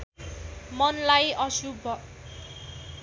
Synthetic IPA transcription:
mʌnlajʌsubʱʌ

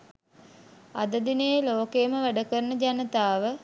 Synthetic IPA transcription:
a̰d̪əd̪inəjəloːkejːməʋæɖəkəɾənəd͡ʒanət̪aːʋə

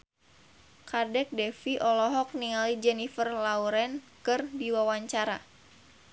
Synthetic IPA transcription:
kardɛk̚dɛfiʔɔlɔɦɔk̚niŋalid͡ʒɛnifərlauɾɛnkɨrdiwawaɲt͡ʃaɾa

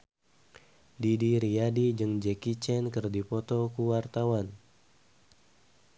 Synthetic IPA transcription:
didiɾiadid͡ʒɨŋd͡ʒɛkit͡ʃɛnkɨrdipɔt̪ɔkuwart̪awan

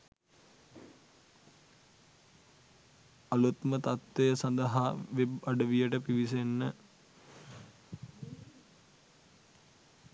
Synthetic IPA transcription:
ɐlut̪mət̪at̪ʋejəsand̪əɦaʋebɐɖəʋijəʈəpiʋisenːə

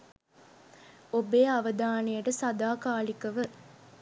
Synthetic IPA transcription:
obeːɐʋɐd̪aːnijɐʈɐsɐd̪aːkaːlikɐʋɨ

